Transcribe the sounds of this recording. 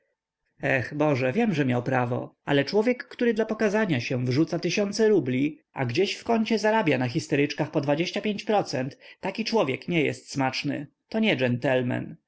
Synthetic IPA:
ɛxbɔʐɛvʲjɛmʐɛmʲjawpɾavɔ̰a̰lɛt͡ʂwɔvʲjɛkːt̪uɾɘd̪lapɔkazaɲaɕɛvʐut̪sat̪ɘɕɔnt̪sɛɾublʲi | a̰ɡd͡ʑeɕfkɔɲt͡ɕɛzaɾabʲjanax̬ʲist̪ɛɾɘt͡ʂkaxpɔd̪vad͡ʑeɕt͡ɕapʲjeɲt͡ɕpɾɔt̪sɛnt̪ːakʲit͡ʂwɔvʲjɛkɲɛjɛ̰st̪smat͡ʂnɘ̰ | t̪ɔɲɛʐɛnt̪ɛlmɛ̰n

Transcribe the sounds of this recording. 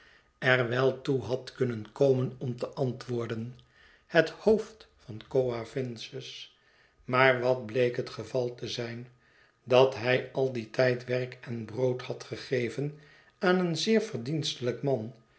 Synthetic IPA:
ɛrʋɛlˠtuɦɑtkɵnənkowmənɔmtəʔɑntʋʊːɹdən | həthowftfɑnkoafɪnsəs | maːɹʋɑd̚blejkɦətχəvɑlˠtəzɛjn | dɑtɦɛjɑlˠditɛjtʋɛrkɛnbrowthɑtχəχejvən | aːnənzɪːɹvərdinstələkmɑn

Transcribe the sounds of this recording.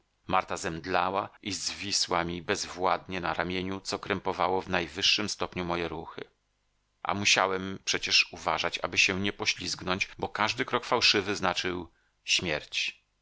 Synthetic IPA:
maɾt̪azɛmd̪lawaʔizvʲiswamʲibɛzvwad̪ɲɛnaɾamʲjeɲut̪sɔkɾɛmpɔvawɔvnajvɘʂːɘmst̪ɔpɲumɔjɛɾuxɘ̰ | ʔa̰muɕawɛmpʂɛt͡ɕɛʂuvaʐat͡ɕa̰bɘɕɛɲɛpɔɕlʲisknɔɲt͡ɕbɔkaʐd̪ɘkɾɔkfawʂɘvɘznat͡ʂɘw | ɕmʲjɛɾt͡ɕ

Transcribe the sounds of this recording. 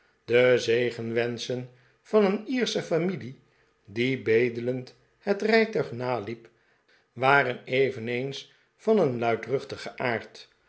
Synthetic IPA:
d̥əzejχənʋɛnsən | v̥ɑnəniːɹsəfamili | dibejdələnt | hətrɛjtœɥχnaːlip | ʋaːrənejvənejns | fɑnənlœɥtrɵχtəχəʔaːɹt

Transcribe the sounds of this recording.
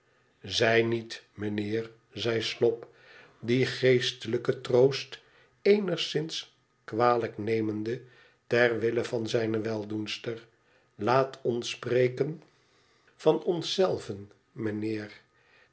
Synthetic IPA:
zɛjnitmənɪːr | zɛjslɔp | diχejstələkətrowst | ejnəχsɪns | kʋaːləknejməndə | tɛrʋɪləvɑnzɛjnəʋɛlˠdunstəɹ | laːtʰɔnsprejkən | v̥ɑnɔnsɛlˠvən | mənɪːr

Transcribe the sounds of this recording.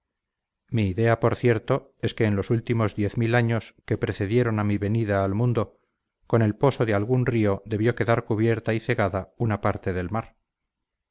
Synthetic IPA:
miːðe̞apo̞ɾθje̞ɾt̪o̞ | e̞ske̞ːnlo̞sult̪imo̞zðje̞θmilaɲo̞ske̞pɾe̞θe̞ðje̞ɾo̞namiβe̞niðaːlmũnd̪o | ko̞ne̞lpo̞so̞ðealɣunrio̞ðe̞βjo̞ke̞ðaɾkuβje̞ɾt̪aiθe̞ɣaðaunapaɾt̪e̞ðe̞lmaɾ

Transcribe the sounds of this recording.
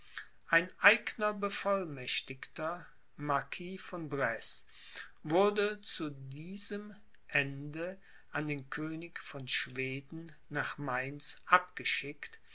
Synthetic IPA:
ʔaɪnʔaɪɡnɐbəfɔlmɛʃtɪktɐ | maɐkʰiːfɔnbʁɛs | vʊɐdət͡sudiːzəm | ʔɛndə | ʔandeːnkʰøːnɪkfɔnʃv̥eːdn̩ | naːχmaɪnsʔapɡ̥əʃɪkt

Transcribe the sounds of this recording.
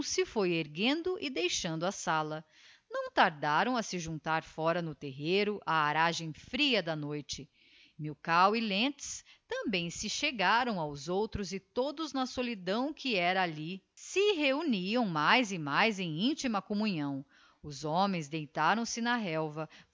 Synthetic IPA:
sɪfojeɾɡẽnd̪ʊʔɪd̪ejʃɐ̃nd̪ʊɐsalɐ | nɐ̃w̃t̪aɾd̪aɾɐ̃w̃ɐsɪʒũnt̪aɾfɔɾɐnʊt̪eɦeɾʊʔaːɾaʒẽj̃fɾiɐd̪ɐnojt͡ʃɪ | miwkawilẽt͡ʃst̪ɐ̃mbẽj̃sɪʃeɡaɾɐ̃w̃awzowt̪ɾʊzɪt̪od̪ʊznɐsolid̪ɐ̃w̃kʰɪɛɾɐːli | sɪɦeuniɐ̃w̃majzɪmajzẽj̃ĩnt͡ʃimɐkomuɲɐ̃w̃ | ʊzomẽj̃zd̪ejt̪aɾɐ̃w̃sɪnɐɦɛwvɐ

